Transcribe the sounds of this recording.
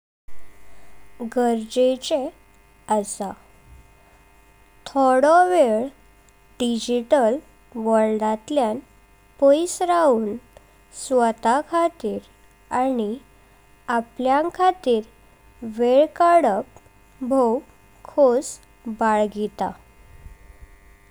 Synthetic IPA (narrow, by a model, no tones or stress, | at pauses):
ɡəɾd͡ʑet͡ɕe | əsa | t̪ʰɔɽɔʋeɭ | ɖid͡ʑiʈəl | ʋəɾɖat̪ljan | pojsɾauːn | sʋət̪akʰat̪iːɾ | ani | apljãkʰat̪iːɾ | ʋeɭkaɽəp | bʱow | kʰos | baɭɡit̪a̰